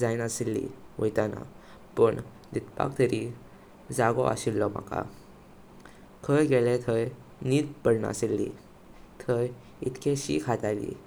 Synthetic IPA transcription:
d͡zainəselːḭʋəjt̪ana̰ | pəɳ | d̪it̪pa̰kt̪əɾi | d͡zaɡɔ̰ʔa̰ɕilːɔma̰ka̰ | kʰəjɡelɛt̪ʰəj | niːd̪pəɽɳa̰selːḭ | t̪ʰəj | it̪kʰeɕḭkʰat̪alḭ

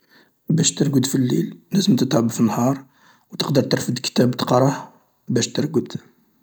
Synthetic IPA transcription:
bæʃt̪əɾɡəd̪filːillæzəmt̪ət̪ʕəbfinːhɑɾˤ | wt̪əqd̪əɾˤt̪əɾfəd̪kt̪æbt̪əqɾˤɑħ | bæʃt̪əɾɡəd̪̥

